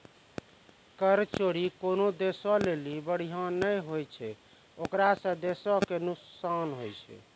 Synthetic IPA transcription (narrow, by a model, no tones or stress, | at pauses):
kəɾt͡ʃoɽikonod̪esɔlelibəɽ̤iɦãnəjɦojt͡ʃʰɛ | okɾasə̃d̪esɔkenuksanɦojt͡ʃʰɛ̰